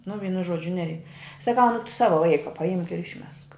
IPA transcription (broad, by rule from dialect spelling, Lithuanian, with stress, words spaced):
nʊ ˈʋʲiːnʊ ˈʒuɔd͡ʒʲʊ ˈnʲæːrʲɛɪ sɐˈkɐʊ nʊ tʊ ˈsɑːʋoː ˈʋɐɪkɐ pɐˈɪmk ɪr ɪʃʲˈmʲɛsk